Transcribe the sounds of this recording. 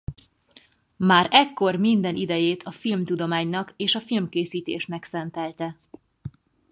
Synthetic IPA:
maːɾɛkːo̞rmind̪ɛnʔid̪ɛjeːt̪ʰɒfilmt̪ud̪o̞maːɲnɒkeːʃɒfilmkeːsiːt̪ḛːʃnɛksɛnt̪ɛlt̪ɛ

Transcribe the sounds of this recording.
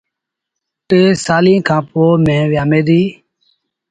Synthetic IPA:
t̪eːsaːlĩːkʰãːpoːmẽːʋɪjaːmẽːd̪iː

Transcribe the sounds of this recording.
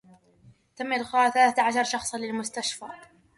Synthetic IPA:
t̪amːɪlqɑːθalaːt̪aʕaʃɑɾˤʃɑxsˤlɪlmʊst̪aʃfaː

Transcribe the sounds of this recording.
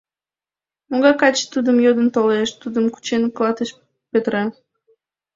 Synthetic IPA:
moɣɑkɑt͡ɕt̪ud̪əmjod̪ənt̪oleʃt̪ud̪əmku̥t͡ɕenklˠɑt̪əʃ | pet̪ɾe

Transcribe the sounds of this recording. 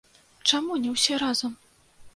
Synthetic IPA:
t͡ʂamunʲɛwsʲɛɾazɐm

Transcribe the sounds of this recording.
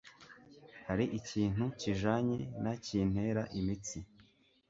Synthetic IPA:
haɾiʔiciːn̥uciʒaɲenaciːn̥he̞ːɾaʔimit͡si

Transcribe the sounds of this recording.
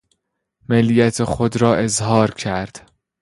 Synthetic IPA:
melːijæt̪ʰexod̪ɾɒːʔe̞zɦɒːɾcʰæɾd̪̥

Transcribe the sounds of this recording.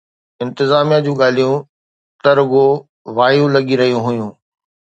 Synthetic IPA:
ɪ̃nt̪ɪzaːmijad͡ʑũːɠaːl̤ijũ | t̪ɐɾʊɡo | ʋaːjũlɐɠiɾɐɦijũɦʊjũː

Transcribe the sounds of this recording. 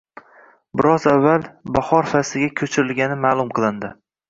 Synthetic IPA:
bɪɾɒzavːalˠbahɒɾfasɪɡʲakʲʰɵt͡ʃʰɪɾɪlɡʲanɪmaːlˠʊmqʰɨlˠɪnd̪ɪ

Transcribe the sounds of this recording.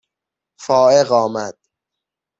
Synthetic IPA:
fɒːeɣɒːmæd̪̥

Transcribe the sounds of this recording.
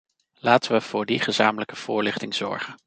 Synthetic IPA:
laːtəʋəv̥ʊːɹdiχəzaːmələkəv̥ʊːɹlɪχtɪŋz̥ɔ̰ɹχən

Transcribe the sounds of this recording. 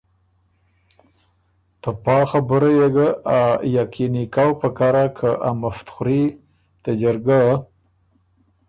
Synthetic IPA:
t̪əpɑːxabəɾajeɡəajakinikawpəkaɾakʰəʔamaft̪xɾi | t̪ad͡ʒaɾɡa

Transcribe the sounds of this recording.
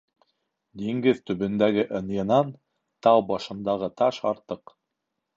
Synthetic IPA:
d̪iŋɡɘðt̪ɵ̆βɘ̆nd̪æɡɘʔɤ̆njɤ̆nɑn | t̪ɑwbɑʃɤ̆nd̪ɑʁɤt̪ɑʃɑɾt̪ɤq

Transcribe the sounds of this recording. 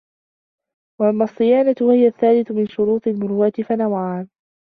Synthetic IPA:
waʔamːɑsˤːɨjaːnat̪wahɪjaθːaːlɪθʊmɪnʃʊɾuːt̪ˤɨlmʊɾuwat̪ɪfanawʕaːn

